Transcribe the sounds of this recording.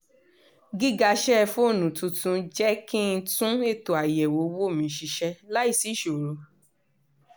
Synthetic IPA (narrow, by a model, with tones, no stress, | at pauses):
ɡi˦ɡa˧ʃɛ˦˧fũ˦o˦˨nũ˨tũ˧tũ˧˦d͡ʒɛ˦kĩ˦n̩˧tũ˦e˦˨to˨a˨jɛ˨wo˨˦wo˦˨mĩ˨˦ʃi˧ʃɛ˧la˦i˦˨si˨˦˨ʃo˨ɾo˨˦